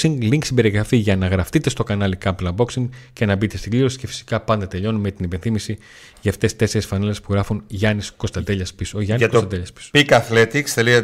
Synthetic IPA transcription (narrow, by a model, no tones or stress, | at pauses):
siŋɡliŋksimbe̞ɾiɣɾɐfiʝɐnɐɣɾɐft̪it̪est̪o̞kɐnɐlikɐmplɐmbo̞ksiŋɡcenɐbit̪e̞st̪iɡliɾo̞si̥ce̞fi̥si̥kɐpɐnd̪ɐt̪eʎo̞numet̪inipe̞nθimisi | ʝɐːft̪e̞st̪e̞seɾesfɐnele̞spuɣɾɐfunʝɐnisko̞st̪ɐnd̪e̞ʎɐspisoʝɐnisksɐd̪eʎɐspi̥so̥pikɐθlet̪ikst̪eliɐ